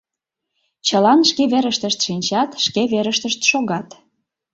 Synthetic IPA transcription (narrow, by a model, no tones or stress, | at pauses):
t͡ɕəlɑnʃkeβeɾəʃt̪əʃt̪ʃinʲt͡ɕɑt̪ʃkeβeɾəʃt̪əʃt̪ʃoɣɑt̪